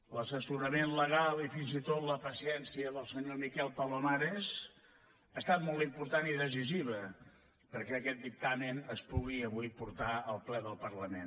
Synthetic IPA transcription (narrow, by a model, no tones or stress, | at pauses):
ləsəsuɾəmenləɣ̞alˠifinzit̪ot̪ləpəsiɛnsiəðəlˠsəɲomikɛlˠpalomaɾez | aːst̪at̪̚mɔlˠt̪impuɾt̪aniðəziziβə | pəɾkɛəkɛt̪̚d̪ik̚t̪aminəspuɣiəβ̞ujpuɾt̪aəlˠplɛðəlˠpərləmen